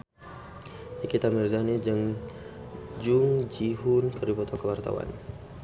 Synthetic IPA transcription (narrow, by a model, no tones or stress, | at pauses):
ikit̪amirzanid͡ʒəŋ | d͡ʒuŋd͡ʒiɦunkəɾipɔt̪ɔkəwart̪a̰wa̰n